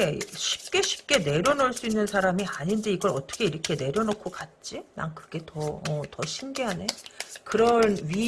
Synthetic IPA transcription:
eɕʰi̥p̚k͈e̞ɕʰi̥p̚k͈e̞ne̞ɾjʌnoɭs͈uinːɯnsʰaɾamiaɲind͡ʑiiɡʌɾʌt͈ʌ̥kʰe̞iɾʌkʰe̞ne̞ɾjʌnokʰokat̚t͡ɕ͈ina̰ŋkɯɡe̞tʌʌtʌɕʰinɡiɦane̞kɯɾʌnɥi

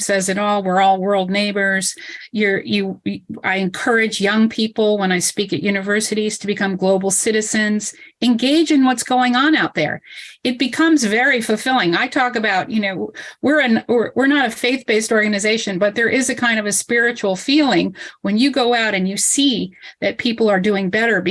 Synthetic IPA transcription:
sɛzɨɾɔlˠwɪɹɔlˠwɜ˞lˠdⁿneɪbə˞z̥jə˞jɨa̰ɪɨ̃nkʰɜ˞ɨd͡ʒjʌ̃ŋpʰipl̩ˠwə̃ñaɪspikɨʔjʉnɨvɜ˞sɨɾiz̥tʰɨbɨkʰʌ̃mɡloʊbl̩ˠsɪɾɨzɨ̃nz̥ɨ̃nɡeɪd͡ʒɨ̃nwʌtsɡ̥oʊɪ̃ŋə̃naʊt̪̚ðə̰˞ɨt̚b̥ɨkʰʌ̃mzvɛɹifl̩ˠfɪlˠɪ̃ŋaɪtʰɔkɨbaʊt̚jɨnoʊwɪɹɨnwɪɹwɪɹnəɾɨfeɪθb̥eɪstɔɹɡɨnɨzeɪʃɨ̃nbʌt̪̚ðə˞ʔɪzɨkʰãɪ̃ndʌvɨspɪɹɨt͡ʃul̩ˠfilˠɪ̃ŋwɨ̃njɨɡoʊaʊɾɨ̃njɨsiðɨt̚pʰipl̩ˠə˞dʉɪ̃ŋbɛɾə˞b

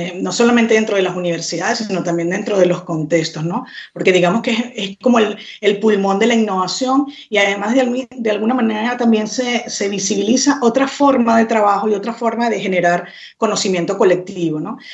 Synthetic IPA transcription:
no̞so̞lamẽnt̪e̞ðent̪ɾo̞ð̞elasuniβ̞e̞ɾsiðaðe̞sino̞t̪ambje̞nd̪e̞nt̪ɾo̞ð̞e̞lo̞sko̞nt̪e̞kst̪o̞sno̞po̞ɾke̞ðiɣamoskeeesko̞mo̞el | e̞lpulmõ̞nd̪e̞lainːo̞β̞asjo̞ŋ | iaðemazðed̪e̞alɣunamane̞ɾat̪ambje̞nsese̞βisiβilisaʔo̞t̪ɾafo̞ɾmaðe̞t̪ɾaβaxo̞io̞t̪ɾafo̞ɾmaðe̞xe̞ne̞ɾaɾ | kono̞simje̞nt̪o̞ko̞le̞k̚t̪iβo̞no̞

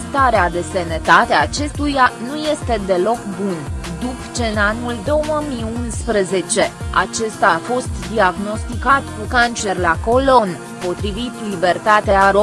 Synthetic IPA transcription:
st̪aɾead̪e̞senet̪at̪eat͡ʃe̞st̪ujanuje̞st̪e̞d̪e̞lo̞kbund̪upt͡ʃenanuld̪o̞wəmiunspɾeze̞t͡ʃe̞a̰t͡ʃe̞st̪afo̞st̪d̪iaɡno̞st̪ikat̪kukant͡ʃe̞rlako̞lo̞n | po̞t̪ɾivit̪libe̞rt̪at̪eaɾo

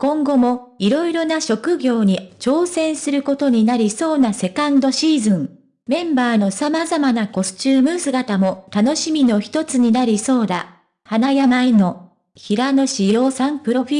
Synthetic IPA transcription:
kõ̞ŋɡo̞mo̞ | iɾo̞iɾo̞naɕo̞kɯ̟ɡʲo̞ːɲ̟it͡ɕo̞ːsẽ̞ɰ̃sɨɾɯ̟ko̞t̪o̞ɲ̟inaɾʲiso̞ːnase̞kãnd̪o̞ɕiːzɨ̃ŋ | mẽ̞mbaːno̞samazamanako̞sɨ̥t͡ɕɨːmɯ̟sɨɡat̪amo̞t̪ano̞ɕimʲino̞çi̥t̪o̞t͡sɨɲ̟inaɾʲiso̞ːd̪a̰ | hanajamaino̞ | çiɾano̞ɕijo̞ːsãmpɯ̟ɾoɸi

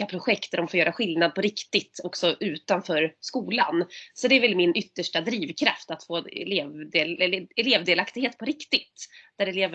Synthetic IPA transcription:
apʰɾʊɧɛkt̪d̪æɖɔmfoːɾjœːɾaɧɪlnad̪̚pʰɔɾɪkt̪ɪt̪ɔksɔʔʉ̟ːt̪anfœːɾskuːla̰nsɔd̪ɛɾvɛlmɪnʏt̪ːəʂʈad̪ɾiːvkʰɾa̰ft̪at̪foːɛ̰leːvd̪elɛleːvd̪eːlakt̪ɪɡheːt̪̚pʰɔɾɪkt̪ɪt̪d̪̥æɖɛleːvə

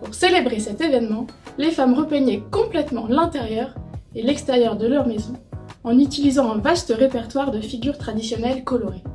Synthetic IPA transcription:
puʁselebʁesɛt̪evɛnmɑ̃lefamʁəpɛɲɛkɔ̃plɛt̪mɑ̃lɛ̃t̪eʁjœʁelɛkst̪ɛʁjœʁd̪əlœʁmezɔ̃ɑ̃nyt̪ilizɑ̃ɛ̃vast̪əʁepɛʁt̪waʁd̪əfiɡʲyʁt̪χad̪isjɔnɛlkɔlɔʁe

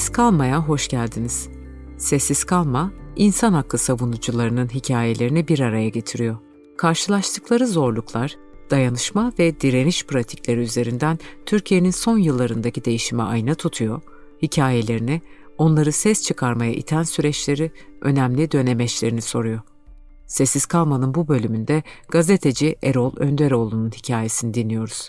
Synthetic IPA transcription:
skʰalˠmajaɦo̞ʃɟ̥ælʲd̪iniz̥ | sɛsːiz̥kʰalˠmainsanhak̪ːˠɯsavunud͡ʒulˠaɾɯnɯnɦicʰaːje̞lʲe̞ɾinibiɾaɾajaɟe̞t̪ʰiɾijo̞ | kʰaɾʃɯlˠaʃt̪ʰɯklˠaɾɯzo̞ɾlˠuklˠaɾ̥ | d̪̥ajanɯʃmavɛd̪iɾe̞niʃpʰɾat̪ʰi̥cʲlʲe̞ɾiyze̞ɾind̪ænt̪ʰyɾcʰije̞ninso̞njɯlˠːaɾɯnd̪acid̪e̞jiʃimɛajnat̪ʰut̪ʰujo̞ | hicʰaːje̞lʲe̞ɾini | o̞nlˠaɾɯsɛst͡ʃʰɯkʰaɾmaja̰ʔḭt̪ʰænsyɾɛt͡ʃlʲe̞ɾi | ʔø̞̰næmlʲid̪ø̞ne̞mɛt͡ʃlʲe̞ɾiniso̞ɾujo̞ | sesːiz̥kʰalˠmanɯnbubø̞lʲymynd̪ɛɡ̥aze̞t̪ʰe̞d͡ʒiʔeɾo̞lˠø̰nd̪eɾo̞lˠununhicʰaːje̞sinid̪inːijo̞ɾuz̥

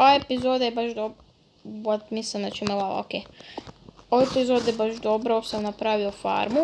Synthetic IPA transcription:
oepizod̪ajebaʃd̪o | wat̪mislimnat͡ʃimelˠao̰ke | oepizod̪jebaʒd̪obɾaosamnapɾaʋiofa̰ɾmu

